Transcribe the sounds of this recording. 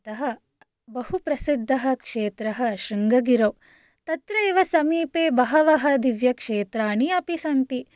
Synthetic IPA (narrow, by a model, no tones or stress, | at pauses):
t̪ɐɦɐ | bɐhupɾɐsid̪ʱːɐɦɐ̆kʂeːt̪ɾɐɦɐʃɾiŋɡɐɡiɾoː | t̪ɐt̪ɾɐeːʋɐsɐmiːpeːbɐɦɐʋɐɦɐd̪iʋjɐkʂeːt̪ɾaːɳiɐpisɐnt̪i